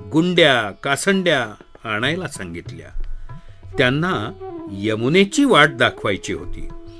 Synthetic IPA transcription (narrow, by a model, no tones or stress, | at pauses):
ɡuɳɖjakasəɳɖjahaɽ̃ajlasãŋɡit̪lja̰ | t̪janːajəmunet͡ɕiːʋaʈ̚d̪akʰʋajt͡ɕiɦo̰t̪ḭː